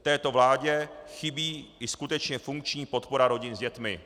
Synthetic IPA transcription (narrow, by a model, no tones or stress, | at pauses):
t̪ɛːt̪o̞vlaːɟɛxɪbiːɪskut̪ɛt͡ʃɲɛfuŋk̚t͡ʃɲiːpo̞t̪po̞ɾaɾo̞ɟɪnzɟɛt̪mɪ